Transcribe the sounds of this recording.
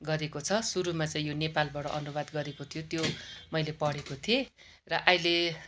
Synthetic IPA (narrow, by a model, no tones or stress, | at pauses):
ɡʌɾekot͡sʰʌsuɾumat͡saĩjonepalbaɽʌ̰ʔʌ̰nubad̪ɡʌɾekot̪ʰijot̪jomʌjlepʌɽekot̪ʰije | rʌʔajle